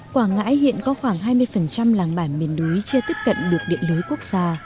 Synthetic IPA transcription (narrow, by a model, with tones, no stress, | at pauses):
kwaː˧˩ŋa̰ː˧˥jhḭ˧˨ənkɔ˨˦xwaː˧˩ŋɦaː˧jmɨ˧əjfə˨˩nt͡ɕa˧mlaː˨˩ŋɓaː˧˩nmi˨˩ənlu˨˦jt͡ɕɨ˧t̪i˦˥p̚kə̰˧˨nɗɨ˨˩ək̚ɗḭ˧˨ənlɨː˨˦jku˦˥ək̚z̥aː˧